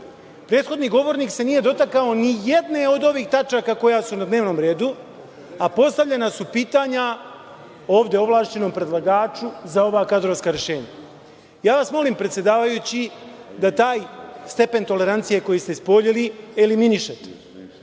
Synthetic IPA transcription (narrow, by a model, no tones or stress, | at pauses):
pɾe̞ːt̪xo̞d̪niɡo̞ʋo̞ɾniːkse̞nije̞d̪o̞t̪akao̞nije̞d̪ne̞o̞d̪o̞ʋiːxt̪at͡ʃakako̞jasunad̪neːʋno̞ːmɾe̞ːd̪u | apo̞st̪aʋʎe̞nasupiːt̪aːɲa | o̞ːʋd̪e̞o̞ʋlˠaːʃt͡ʃe̞no̞mpɾe̞d̪lˠaɡaːt͡ʃuzao̞ʋakad̪ɾoʋskaɾe̞ʃe̞ːɲa̰ | jaːʋasmo̞limpɾet̪sjed̪aːʋajut͡ɕid̪at̪aːjst̪e̞pe̞nt̪o̞le̞ɾant̪sije̞ko̞jist̪espo̞ʎilieliminiʃat̪e̥